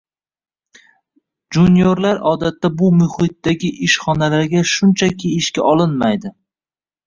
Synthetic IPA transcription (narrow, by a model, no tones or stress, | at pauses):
d͡ʒunjoɾlaɾɒd̪at̪ːabʊmʊhɪt̪ːdaɡʲɪʔɪʃχɒnalaɾɡʲaʃʊnt͡ʃʰakʲʰiɪʃkʲaʔɒlɪnmajd̪ɪ